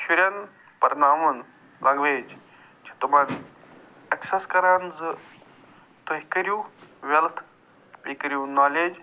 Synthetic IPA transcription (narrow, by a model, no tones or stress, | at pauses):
ʃuɾʲɐn | pɐɾnaːmun | lʔɐŋɡʋeːd͡ʒ | t͡ʃʰi̥t̪umɐn | ɐksɐskɐɾaːnzɨ | t̪ɐɦikɐɾuːʋelt̪ʰ | ʋikɾjuːnaːleːd͡ʒ